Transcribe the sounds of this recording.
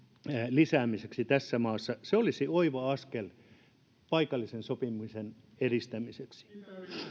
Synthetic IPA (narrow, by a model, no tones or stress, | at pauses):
lisæːmiseksit̪æsːæmɑːsːɑseolisioiʋɑɑskel | pɑikɑlːisensopimusen | erist̪æmiseksi̥